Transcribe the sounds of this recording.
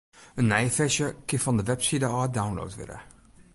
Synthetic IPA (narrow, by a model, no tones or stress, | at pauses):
ənːɛjfɛʃjəkɪfɔndəʋɛpsidəɑːdawnlo̰wtʋɪ̰lə̰